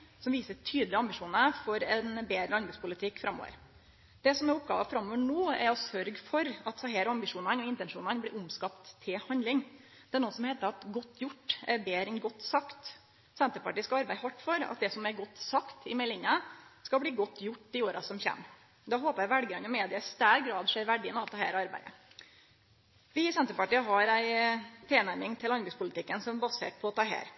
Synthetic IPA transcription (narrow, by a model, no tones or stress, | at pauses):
sɔmʋiːsəʈʰyːd̪lɪɑmbɪʂuːnəfɔɾɛnbeːd̪ɾəlɑnb̪əspʊlɪt̪ʰɪkːfɾɑmːo̰ːʋə̰ɾ | d̪̥ɛsɔmɛɾʊp̚ɡɑ̰ːʋɑfɾɑmːoːʋəɳoːɛɾɔsœɾɡfɔɾɑt̪sɑheːɾɔɑmbɪʂuːnɑnɔɪnt̪ɛnʂuːnɑnblɪɾʊmskɑpt̪ʰːɪlhɑnd̪lɪŋ | d̪ɛæɳuːəsɔmheːt̪əɾɑt̪ɡɔt̪ːjʊʈːɛɾbeːɾɛnɡɔt̪ːsɑkt̪ | sɛnt̪əpɑʈiːəskɑɑɾbæɪhɑʈːfɔɾɑ̰t̪̚d̪ɛsɔmɛɾɡɔt̪ːsɑkt̪ɪmɛlɪɲːɑskɑbliːɡɔt̪ːjʊʈːd̪ɪoːɾɑsɔmçɛ̰m | d̪ɑɦoːpəɾæʋæɽɡɾɑnːɔmeːd̪ɪəst̪æːɾɡɾɑːd̪ʂeːɾʋæɖɪənɑt̪ɛhæːɾɑɾbæ̰ɪd̪ə̰ | ʋɪsɛnt̪əpɑʈiːəɦɑɾæɪt̪ʰeːnæɾmɪŋt̪ʰɪlɑnbɪspʰʊlɪt̪ʰɪkːənsɔmbɑsḛːʈ̚pʰɔɔt̪ʰɑːɦæ̰ːɾ